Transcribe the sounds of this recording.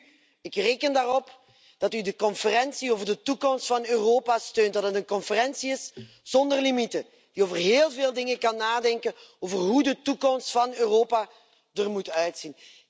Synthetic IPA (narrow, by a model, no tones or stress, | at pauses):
ɪkreːkəndaːrɔp | d̥ɑtydəkɔnfərɛnsiovərdətukɔmstfɑnøːroːpastøːntdɑtɦətənkɔnfərɛnsiɪs | z̥ɔndərlimitə | d̥ioːvərɦeːlˠveːlˠdɪŋəkɑnːaːdɛŋkənoːvərɦudətukɔmstfɑnøːroːpa | dərmutœɥtsin